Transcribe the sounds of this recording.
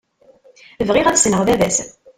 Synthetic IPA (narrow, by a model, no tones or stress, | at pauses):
əvʁɪʁæðsnəʁðæðæs